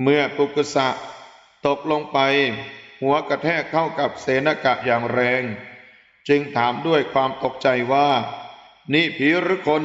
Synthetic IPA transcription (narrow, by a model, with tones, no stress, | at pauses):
mɯ˧˩ɐp̪u˨˩kːa˧sa˨˩ʔ | t̪o˨˩k̚lo˧ŋpa˧jhu˩˦ɐka˧t̪ʰɛː˥˩kʰːa˥˩wka˨˩p̚seː˨˦na˧ka˨˩ʔjaː˨˩ŋɾɛː˧ŋ | t͡ɕɯ˧ŋt̪ʰaː˩˦mdu˥˩əjkʰwaː˧mt̪o˨˩k̚t͡ɕa˧jwaː˥˩ | niː˥˩pʰiː˦˥ɾɯː˦˥kʰo˧n